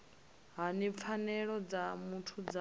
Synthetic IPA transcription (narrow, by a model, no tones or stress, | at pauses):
ɦanip̪fʰanɛɺɔd͡zamutʰud͡za